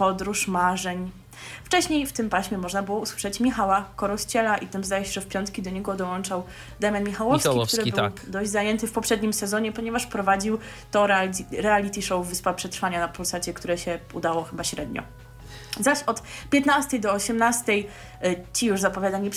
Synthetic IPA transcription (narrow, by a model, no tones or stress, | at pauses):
pɔd̪ɾuʂmaʐɛɲ | ft͡ʂɛɕɲejft̪ɘmpaɕmʲjɛmɔʐnabɘwɔuswɘ̥ʂɛt͡ɕmʲixawakɔɾɔst͡ɕɛlaʔit̪ɛmzd̪ajɛɕɛʐɛfpʲjɔnt̪kʲid̪ɔɲɛɡɔd̪ɔwɔnt͡ʂaw | d̪ɛmʲjanmʲixawɔfskikt̪uɾɘbɘwd̪ɔʑd͡ʑʲzajɛnt̪ɘfpɔpʂɛd̪ɲimsɛzɔɲɛpɔɲɛvaʂpɾɔvad͡ʑiw | t̪ɔɾɛalʲit̪ʲiʂɔwvɘspapʂɛt̪ɾfaɲanapulsat͡ɕɛkt̪uɾɛɕɛud̪awɔxɘbaɕɾɛd̪ɲɔ̰ | zaɕɔt̪pʲjɛt̪nast̪ɛjd̪ɔːɕɛmnast̪ɛj | t͡ɕijuʐzapɔvʲjad̪aɲi